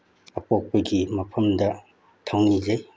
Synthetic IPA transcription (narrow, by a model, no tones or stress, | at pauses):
ɐpok̚pɐɡimɐpʰɐmdɐ | tʰawnizej